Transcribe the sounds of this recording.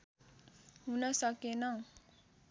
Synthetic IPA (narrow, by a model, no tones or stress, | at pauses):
ɦunʌsʌkenʌ